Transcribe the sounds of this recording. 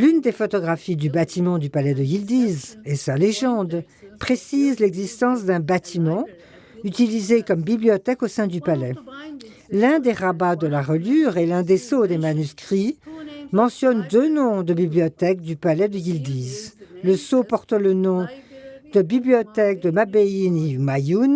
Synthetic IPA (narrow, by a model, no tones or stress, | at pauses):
lynd̪efɔt̪ɔɡʁafid̪ybat̪imɑ̃d̪ypalɛd̪əɡild̪izesaleʒɑ̃d̪ | pχesizlɛɡzist̪ɑ̃sd̪ɛ̃bat̪ʰimɑ̃ | yt̪ilizekɔmbibliɔt̪ɛkosɛ̃d̪ypalɛ | lɛ̃d̪eʁabad̪əlaʁəlyʁelɛ̃d̪esod̪emanyskχimɑ̃sjɔnd̪ønɔ̃d̪əbibliɔt̪ɛk̚d̪ypalɛd̪əɡild̪izləsopɔʁt̪lənɔ̃d̪̥əbibliɔt̪ɛk̚d̪əmabeinimajun